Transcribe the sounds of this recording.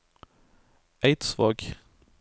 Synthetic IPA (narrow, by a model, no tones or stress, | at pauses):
æɪt̪sʋɑ̰ːɡ